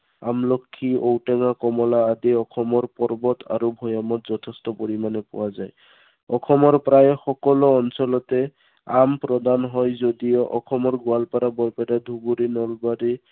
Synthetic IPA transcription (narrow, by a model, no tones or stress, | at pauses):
amlɔkʰːiowtɛŋakɔmɔlaːdiɔkʰɔmɔɹpɔɹbɔtʰa̰ɹubʱɔjamɔtzɔtʰestɔpoɹimanɛpʊ̰wazaj | ɔkʰɔmɔɹpɹajxɔkɔlɔːnsɔlɔtɛ | ampɹɔd̪anɦɔjzodijɔʔɔkʰɔmɔɹɡʊalpaɾabɔɹpɛɾad̪ʱuɡuɾinɔlbaɾi